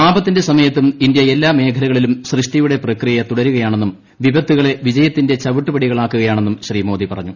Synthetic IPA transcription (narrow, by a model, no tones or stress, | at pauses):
paːbɐt̪ːinde̞sɐmɐjɐt̪ːumindjɐe̞lːaːme̞ːkʰɐlɐɣɐɭilumɕrɨʂʈijuɽe̞prɐkrijɐt̪uɽɐɾuɣɐjaːɳenːum | ʋibɐt̪ːuɣɐɭe̞ʋid͡ʑɐjɐt̪ːinde̞t͡ɕɐʋiʈːupɐɽiɣɐɭaːkːuɣɐjaːɳe̞nːumɕriːmo̞ːd̪ipɐrɐɲːu